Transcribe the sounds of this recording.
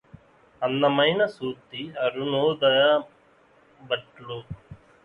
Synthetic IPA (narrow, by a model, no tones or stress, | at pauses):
ɐnːɐmɐjnɐsuːt̪iɐɾunoːd̪ɐjɐ | bɐʈlu